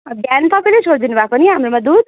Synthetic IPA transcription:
ʌɡanpapelet͡ʃʰoɾd̪inubapʌniɦamɾomãd̪ud̪

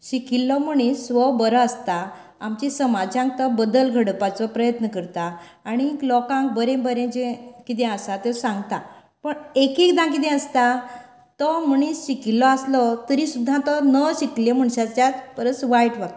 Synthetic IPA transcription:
ɕikilːɔm̤əɳisʋɔbəɾɔəst̪a | amt͡ɕisəmad͡ʑãŋk̚t̪ɔbəd̪əlɡʱəɽpat͡sɔpɾəjət̪nəkəɾt̪aː | ɽ̃iklɔkãŋk̚bəɾẽbəɾẽd͡ʑɛ̃kit̪̬ɛ̃əsat̪esãŋɡt̪a | pəɳekikd̪ãk̬it̪̬ɛ̃əst̪a | t̪ɔm̤əɳ̃isɕikilːɔaslɔt̪əɾĩsud̪ʱːãt̪ɔnəɕikiljem̤əɳɕat͡ɕjat̪pəɾət͡sʋajʈʋak̚t̪ḁ

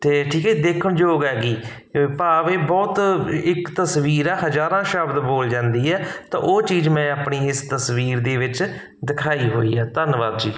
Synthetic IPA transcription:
t̪eːʈʰiːkɛid̪eːkʰəɳd͡ʒoːɡɦɛːɡiː | paːʋeːbɔːt̪ɪkt̪əsʋiːɾɛːɦəzaːɾãːʃəbd̪boːld͡ʒãːnd̪iːɛːt̪ã̰ːʔoːt͡ʃiːzmɛ̃ːaːpɳiːɪst̪əsʋiːɾd̪eːʋɪt͡ʃ | d̪ɪkʰaːiːɦoːḭːɛːt̪ənʋaːd̪d͡ʒiː

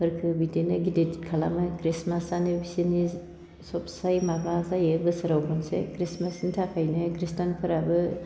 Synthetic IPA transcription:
hɯɾkʰɯbidenɯɡiditikʰala̰mɯkɾismasanɯbisini | sɔpsajmabazajɯbɯsɯɾawkʰɔnsḛkɾismasnitʰakʰajnɯkɾistanpʰɯɾabɯ

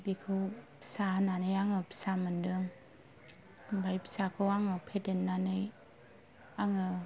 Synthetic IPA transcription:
bikʰɯwpʰsananɯjaŋɯpʰsamɯndɯŋ | bʱajpʰi̥sakʰɯwaŋɯpʰetenːanɯj | aŋɯ

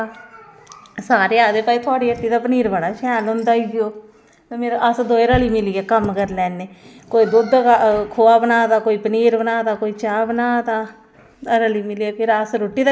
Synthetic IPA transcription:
saːɾeːaːd̪eːpaːiːt̪ʰoaːɽiːəʈːiːd̪aːpəniːɾbaɽaːʃɛːlɦʊ̃ːnd̪aːiɡioː | t̪eːmeːɾʔəsd̪oːeːɾəliːmɪliːɛːkəmkəɾlɛːneːkoːiːd̪ʊd̪kʰoːaːbənaːd̪aːkoːiːpəniːɾbənaːd̪aːkoːiːt͡ʃaːbənaːd̪aː | ɾəliːmɪliɛːpʰɪɾəsɾoʈːiːd̪a

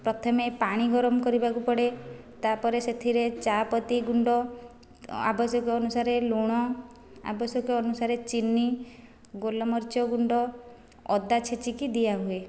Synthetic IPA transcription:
pɾɔt̪ʰɔmepaɽ̃iɡɔɾɔmɔkɔɾibakupɔɽe | t̪apɔɾeset̪ʰiɾet͡ʃapɔt̪iɡuɳɖɔ | a̰bɔsɔkɔːnusaɾeluɽ̃ɔ | a̰bɔsɔkɔɔnusaɾet͡ʃinːi | ɡolɔmɔɾt͡ʃɔɡuɳɖɔ | ɔ̰d̪at͡ʃʰet͡ʃikid̪iaɦue

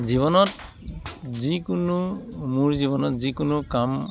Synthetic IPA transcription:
zibɔnɔt | zikʊnʊmuɹziβɔnɔtzikʊnʊkam

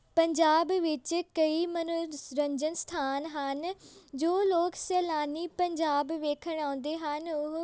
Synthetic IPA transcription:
pɐ̃ɲd͡ʑaːbʋɪt͡ɕkɐimɐnoɾɐ̃ɲd͡ʑənst̪ʰaːnɦand͡ʑoːloːkseːlaːnipɐ̃ɲd͡ʑaːbʋeːkʰəɽ̃aʊ̃ːn̆d̪eɦanʊɦ

